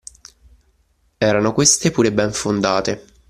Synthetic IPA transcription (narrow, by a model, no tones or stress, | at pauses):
ɛːɾanokwest̪epuːɾebɛɱfond̪aːt̪e